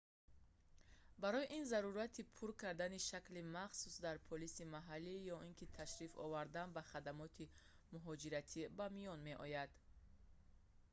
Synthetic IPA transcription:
baɾɔjiʔinzaɾuɾat̪ʰipʰuɾkʰaɾd̪aniʃaklimaχsusd̪aɾpʰɔlisimaɦalːijɔinkʰit̪ʰaʃɾifɔ̰vaɾd̪anbaχad̪amɔt̪ʰi | muɦɔd͡ʒiɾat̪ʰibamijɔnme̞ʔɔjad̪̥

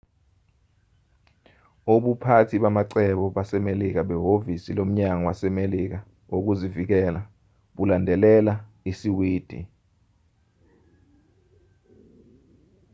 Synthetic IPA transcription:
oɓupʰatʰiɓamaǀɛɓɔɓasɛmelik̬aɓɛɦovisilom̩ɲaŋɔwasɛmelik̬a | ok̬uzivik̬ɛla | ɓulandʱɛlɛla | isiwiːd̥ʱḭ

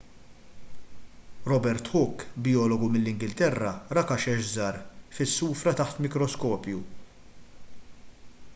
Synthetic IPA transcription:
ɾɔbɛɾt̪ħʊkːbɪjɔːlɔɡumɪlːɪŋɡɪlt̪ɛrːɐɾɐkɐʃɛʃzɐːɾfɪsːuːfɾɐt̪ɐħt̪mɪkɾɔskɔːpju

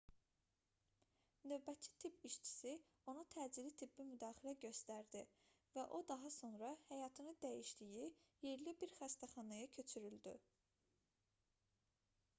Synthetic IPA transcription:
nø̞vbæt̪t͡ʃʰi̥t̪ʰipʰiʃt͡ʃʰi̥si | o̞nut̪ʰæːd͡ʒiɾit̪ʰibːimyd̪ɑːxilæɟø̞st̪æɾd̪i | væʔo̞d̪ɑɦɑso̞nɾɑhæjɑt̪ʰɯnɯd̪æjiʃd̪ijijeɾlibiɾxæst̪ʰæχɑnɑjɑcʰø̞t͡ʃʰyɾyld̪y̰

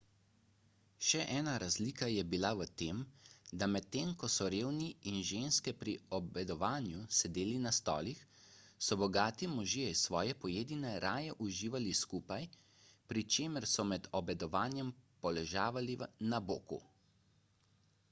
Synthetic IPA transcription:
ʃɛʔɛːnaɾazliːkajɛbilaʋət̪eːmd̪amɛt̪ːeːmkɔsɔɾeːwniinʒeːnskɛpɾiɔbɛd̪ɔʋaːnjusɛd̪eːlinast̪ɔ̰ːlixsɔbɔɡaːt̪imɔʒiɛisʋɔːjɛpɔjeːd̪inɛɾaːjɛʔuʒiːʋaliskuːpaj | pɾit͡ʃeːməɾsɔmɛd̪ɔbɛd̪ɔʋaːnjɛmpɔlɛʒaːʋalinabo̰ːkṵ

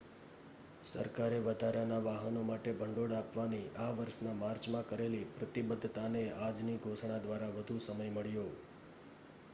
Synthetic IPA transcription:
sə̰ɾkaɾeʋəd̪ʱaɾanaʋaɦənomaʈebʱəɳɖoɽapʋaniʔaʋəɾʃnamaɾt͡ʃmãkəɾelipɾət̪ibəd̪ʱːt̪anead͡ʒniɡʱoʃɳ̃ad̪ʋaɾaʋəd̪ʱusəməjməɭjo

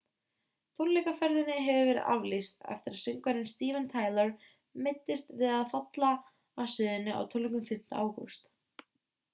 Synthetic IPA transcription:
t̪ʰolːikafɛɾðɪnːɪɦɛvʏvɛɾɪ̰ðʔa̰vlist̪ɛ̰ft̪ɪɾaðsʏŋkvaɾɪnst̪iːvɛnt̪ʰaːjlœɾ | mɪjt̪ːɪst̪vɪðaðfat̪la | aːsɪðɪnːɪa̰wt̪ʰɔlːiŋkʏmfɪm̥t̪a̰ʔaːwhɔst̪

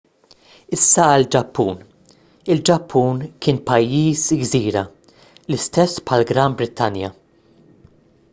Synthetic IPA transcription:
ɪsːɐɐld͡ʒɐpːuːn | ɪld͡ʒɐpʰːuːnkʰɪːnpɐjːiːsɡziːɾɐ | lɪst̪ɛsːpħɐlɡɾɐmbɾɪt̪ːɐnjɐ̰

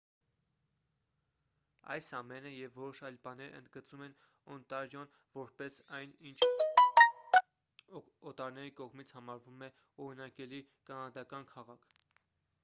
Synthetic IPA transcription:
ɑ̰jsɑmɛnəjɛvːɔɾɔʃɑjlbɑnɛɾə̰nd̪ɡət͡sumɛn | ɔnt̪ɑɾjɔn | vɔɾpɛsɑjnint͡ʃʰ | ɔt̪ɑɾnɛɾikɔʁmit͡sʰhɑmɑɾvumɛ | ɔɾinɑkɛli | kɑnɑd̪ɑkɑnkʰɑʁɑkʰ

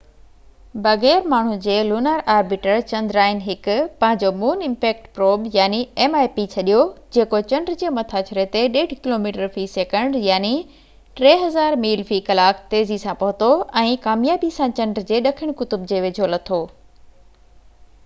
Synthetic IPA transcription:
bɐɣɛːɾmaːɳ̤̃ud͡ʑeːluːnəɾaːɾbiːʈəɾt͡ɕɐ̃nd̪ɾaːɪnɦɪkʊpɐ̃ɦɪ̃ɲd͡ʑomuːnɪ̃mpɛːk̚ʈpɾoːbjaːniɛːmaːjpit͡ɕʰɐɗijod͡ʑeːkot͡ɕɐ̃ɳɖɾɪd͡ʑeːmɐt̪ʰaːt͡ɕʊɾet̪eɗeːɽ̤ʱkɪloːmiːʈəɾfiseːkə̃ɳɖjaːni | ʈɾeːɦɐzaːɾmiːlfiːkɐlaːkt̪eːzisãpɐɦʊt̪oɛ̃ːkaːmjaːbisãt͡ɕɐ̃ɳɖɾɪd͡ʑeːɗɐkʰɪɽ̃kʊt̪ʊbd͡ʑeːʋeːd͡ʑʱolɐt̪ʰoː

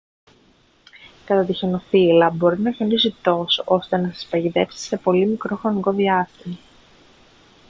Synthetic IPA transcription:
kɐt̪ɐt̪içeno̞filɐbo̞ɾinɐçonisit̪o̞so̞st̪e̞nɐsɐ̥spɐʝiðe̞psi̥se̞po̞limikɾo̞xɾo̞niko̞ðiɐst̪imɐ

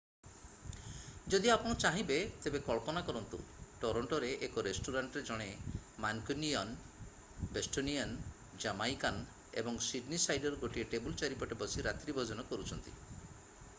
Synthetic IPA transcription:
d͡ʒɔd̪iapɔɽ̃ɔt͡ʃaɦĩbet̪ebekɔɭpɔnakɔɾɔnt̪ṵʈɔɾɔɳʈɔɾeʔekɔɾesʈuɾaɳʈɾed͡ʒɔɽ̃emankuniɔn | besʈonian | d͡ʒamajkan | ḛbɔŋsiɖnisajɖɔɾɡoʈieʈebult͡ʃaɾipɔʈebɔsiɾat̪ɾibʱɔd͡ʒɔnɔkɔɾut͡ʃʰɔnt̪ḭ

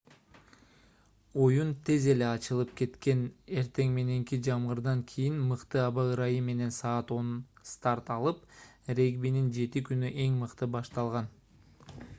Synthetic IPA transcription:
o̞junt̪ʰe̞ze̞le̞ɑt͡ʃɯlˠɯp̚ke̞t̪ke̞ne̞ɾt̪e̞ŋme̞ne̞ŋkid͡ʒɑmʁɯɾd̪ɑŋkʲʰijinmɯqt̪ɯɑβɑɯɾɑjimːe̞ne̞nsɑːt̪o̞nst̪ɑɾt̪ɑlˠɯpɾe̞ɡbinind͡ʒe̞t̪ikynyʔe̞ŋmɯqt̪ɯbɑʃt̪ɑlˠʁɑn

